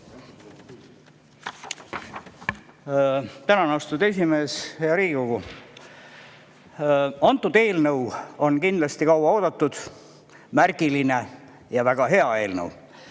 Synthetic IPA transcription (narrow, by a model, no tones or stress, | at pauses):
t̪ænɑnɑst̪ud̪e̞s̬ʲime̞ːsheɑɾiːɡikoɡu | ɑnt̪ːˑud̪̥e̞ːlnɤwo̞nkind̪lɑst̪ikɑwɑo̞ːd̪̥ɑt̪ːud̪̥ | mærɡiline̞ | jɑvæɡ̥ɑɦe̞ɑe̞ːlnə̰w